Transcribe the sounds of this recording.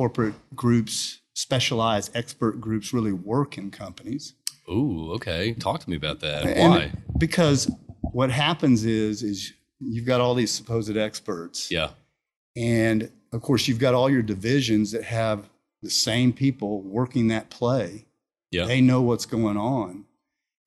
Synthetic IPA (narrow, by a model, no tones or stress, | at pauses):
kɔɹpɹɨt̚ɡ̥ɹʉps | pɛʃəlaɪzdɛkspə˞t̚ɡ̥ɹʉpsɹɪlˠiwɜ˞kɨ̃nkʰʌ̃mpəniz̥uoʊkʰeɪtʰɔk̚tʰəmiɨbaʊt̪̚ðæ̰t̚ɨ̃nb̥ɨkʰʌzwʌt̚ɦæpɨ̃nzɪzɪz | jʉvɡɑɾɔlˠðiz̥sə̥pʰoʊzɨɾɛkspə˞tsjæ̰ | ɨ̃n | ʌv̥kʰɔɹsjʉvɡɑɾɔlˠjə˞dɨvɪʒɨ̃nzðɨt̚hɨv | ðɨsẽɪ̃mpʰipl̩ˠwɜ˞kɪ̃ŋðɨt̚pʰl̥eɪ | jæðeɪnoʊwʌtsɡ̥oʊɪ̃ŋə̃n